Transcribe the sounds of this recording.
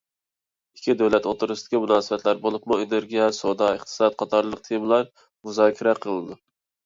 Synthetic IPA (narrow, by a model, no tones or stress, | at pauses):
ikʲʰːid̪æwlɛt̪ot̪ʊɾɨstd̪ɪ̥kʲimunɑːsɨbɛt̪læɾbolˠʊpmueneɾɡʲijɛsod̪ɑəχt̪ʰɨ̥sɑt̪̚qʰɑt̪ʰɑɾlˠəq̚t̪ʰejmlˠɑɾ | muzɑːkʲʰɪɾɛqʰəlˠɨd̪u